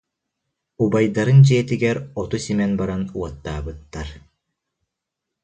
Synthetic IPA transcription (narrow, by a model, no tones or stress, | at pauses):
ubajd̪aɾɯnd͡ʑiɛt̪iɡɛɾɔt̪usimɛnbaɾanuɔt̪ːaːbɯt̪ːaɾ